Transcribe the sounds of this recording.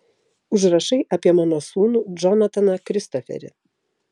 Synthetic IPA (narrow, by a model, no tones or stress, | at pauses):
ʊʒɾɐʃɐɪʔɐpʲiɛmɑːnoːsuːnuːd͡ʒɔnɐt̪ɐnɐkɾʲɪst̪ɔfʲɛ̰ɾʲɪ̰